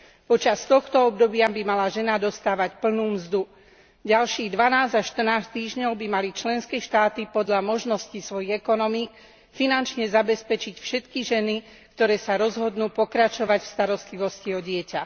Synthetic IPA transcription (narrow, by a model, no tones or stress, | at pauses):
pɔt͡ʃast̪ɔxt̪ɔɔb̚d̪ɔbɪabimalaʒɛnad̪ɔst̪aːʋacpl̩nuːmzd̪u | ɟalʃiːɣd̪ʋanaːzaʃt̪r̩naːst̪iːʒɲɔʊbimalit͡ʃlɛnskɛːʃt̪aːt̪ipɔd̪ʎamɔʒnɔscisʋɔjiɣɛkɔnɔmiːk | finant͡ʃɲɛzabɛspɛt͡ʃicfʃɛt̪kiʒɛni | kt̪ɔɾɛːsaɾɔzɦɔd̪nuːpɔkɾat͡ʃɔʋacfst̪aɾɔst̪liʋɔsciɔɟɪɛca